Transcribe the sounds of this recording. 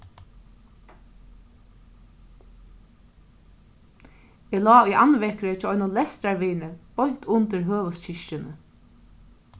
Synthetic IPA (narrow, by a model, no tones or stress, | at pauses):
eːlɑːujʔanʋɛhkɾət͡ʃɔːɔjnʊlɛst̪ɾaɾʋiːnəb̥ɔjn̥t̪ʰʊnt̪əɾɦøːʋəst͡ɕɪʃt͡ʃɪnə